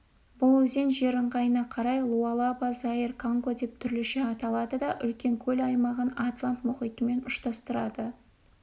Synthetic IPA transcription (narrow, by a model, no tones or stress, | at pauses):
bʊlˠwɵze̞nʒe̞ɾəɴʁɑjənɑqʰɑɾɑjlˠuɑlˠɑbɑzɑirkʰaŋko̞d̪e̞p̚t̪ʰʏɾlɪʃɪɑt̪ɑlˠɑd̪əd̪ɑʔʏ̰lkʲe̞ŋkʲʰɵlɑjmɑʁənɑt̪lˠant̪mʊχijt̪əme̞nʊʃt̪ɑst̪əɾɑd̪ə